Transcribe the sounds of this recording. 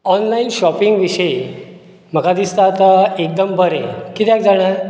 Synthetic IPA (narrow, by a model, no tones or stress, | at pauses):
ɔnlainɕɔpiŋɡʋiɕəe | m̤əkad̪ist̪at̪aek̚d̪əmbʱəɾḛ̃kit̪eak̚d͡zaɽ̃aɾ